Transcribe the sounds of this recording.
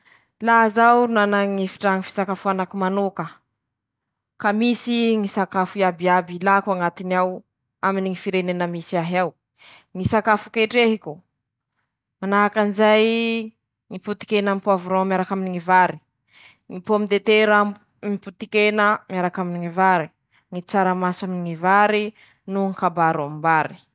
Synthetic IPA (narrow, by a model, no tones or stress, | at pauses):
lazawɾunanaŋifi̥ʈ͡ʂaŋifi̥sakafuanakumanukə | kamisiŋisakafuiabiabilakaŋat̪inaw | aminiŋifiɾenenəmisiaɦaw | ŋisakafu̥keʈ͡ʂeɦiku | manaɦakanizaj | ŋiput̪i̥kenampuavuɾõmjaɾakaminiŋivaɾi | ŋipomid̪et̪eɾa | miput̪ikenəmiaɾakaminiŋivaɾi | ŋit͡saɾəmasaminiŋivaɾi | nuŋikabaɾombaɾi̥